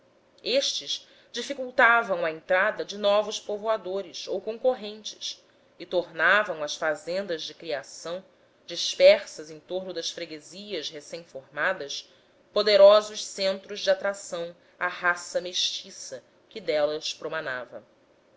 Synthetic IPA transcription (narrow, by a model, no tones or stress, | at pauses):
eʃt͡ʃɪz | d͡ʒifikuwt̪avɐ̃w̃ɐẽnt̪ɾad̪ɐd͡ʒɪnɔvʊʃpovoad̪oɾɪsowkõŋkoɦẽnt͡ʃɪ̥s | ɪt̪oɾnavɐ̃w̃ɐsfazẽnd̪ɐzd͡ʒɪkɾiasɐ̃w̃ | d͡ʒiʃpɛχsɐzẽj̃t̪oɾnʊd̪ɐʃfɾeɡeziɐsɦesẽj̃foɾmad̪ɐs | pod̪eɾɔzʊʃsẽnt̪ɾʊzd͡ʒɪat̪ɾasɐ̃w̃ | aɦasɐmeʃt͡ʃisɐ | kɪd̪ɛlɐspɾomanavɐ